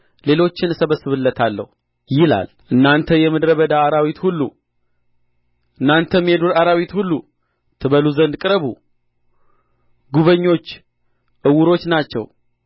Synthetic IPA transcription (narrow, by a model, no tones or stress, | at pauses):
le̞lo̞t͡ʃːɪnɨsəβəsːɨβɨlːət̪ʰalːə̰hu | jɪla̰l | ʔɨnːant̪ʰəjɛmɨd̪ɾəβəd̪aːɾawit̪hulːṵ | ʔɨnːant̪ʰəmed̪uɾaɾawit̪hulːu | t̪ʰɨβəluzənd̪kʼɨɾəβṵ | ɡuβəɲːo̞t͡ʃː | ʔɨwʊɾo̞t͡ʃːnat͡ʃːɛ̰w